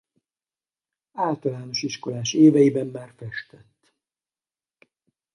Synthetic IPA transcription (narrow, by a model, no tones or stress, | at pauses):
aːlt̪ɒlaːno̞ʃiʃko̞laːʃeːvɛjibɛmːaːrfɛʃt̪ɛt̪ː